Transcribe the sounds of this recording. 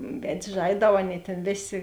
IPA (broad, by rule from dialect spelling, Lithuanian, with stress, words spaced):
ˈʋʲɛtʲsʲ ˈʒɐɪdɐʊ ˈɑːˌnʲeːɪ tʲeːn ˈʋʲeːˌsʲeː